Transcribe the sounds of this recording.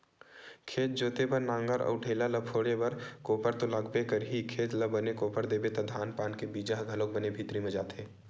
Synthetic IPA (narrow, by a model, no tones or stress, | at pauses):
kʰeːt͡ʃ̪̚d͡ʒoːt̪epɐɾnãːŋɡəɾʔə̰ʊʈʰeːlalɐpʰoːɽebɐɾkoːpəɾt̪olaːɡbekəɾɦikʰeːt͡ʃləbənekoːpəɾd̪eːbet̪ɐd̪ʱaːnpaːnkebiːd͡ʒaɦɡʱɐlõk̚bɐnebʱit̪ɾimẽd͡ʒaːt̪eː